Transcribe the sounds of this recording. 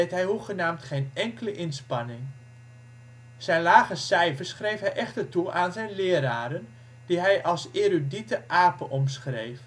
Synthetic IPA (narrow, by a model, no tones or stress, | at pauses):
etɦɛjɦuχənaːmtχeːnɛŋkələʔɪnspɑnɪŋ | sɛjnlaːɣəsɛjfərsχrejfɦɛjʔɛxtərtuʔaːnzɛjnlɪːəɾaːɾən | d̥iɦɛjʔɑlˠseruditəʔaːpəʔɔmsχrejf